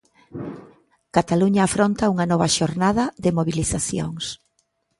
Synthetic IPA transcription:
kat̪aluɲaːfɾont̪ɐuŋɐnɔβɐʃoɾnaðɐðɪmoβiliθaθjo̰ŋs

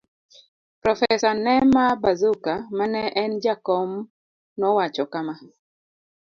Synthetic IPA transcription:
pɾɔfɛsanɛmabazukamanɛʔɛnd͡ʒakɔm | nɔwat͡ʃɔkama

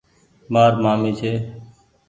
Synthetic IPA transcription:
maːɾmaːmiːt͡ʃʰeː

